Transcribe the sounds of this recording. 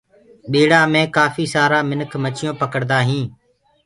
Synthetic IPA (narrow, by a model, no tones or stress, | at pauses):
ɓiːɽaːmẽːkaːfiːsaːɾaːmɪnəkʰmət͡ʃɪjõːpəkəɽd̪aːɦĩː